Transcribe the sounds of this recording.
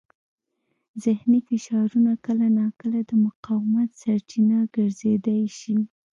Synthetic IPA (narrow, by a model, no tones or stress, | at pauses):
zɪhnifɪʃɑɾunakəlanɑkəlad̪əmʊqɑwɪmat̪saɾt͡ʃinaɡ̥əɾzed̪ajʃi